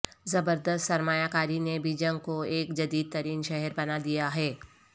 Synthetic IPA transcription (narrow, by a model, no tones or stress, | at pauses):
zɐbəɾd̪əst̪sɐɾmaːjakaːɾinebʱid͡ʒə̃ŋɡ̚koeːkd͡ʒɐd̪iːd̪̚t̪ɐɾiːnʃɛɦɛɾbɐnad̪ijaɦɛː